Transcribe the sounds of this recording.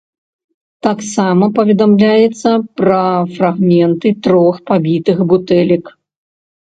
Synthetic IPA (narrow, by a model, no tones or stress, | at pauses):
t̪aksamɐpɐvʲɛd̪amlʲajɛt̪sːɐpɾɐfraɣmʲɛnt̪ɨt̪ɾɔxpabʲit̪ɨxbut̪ɛlʲik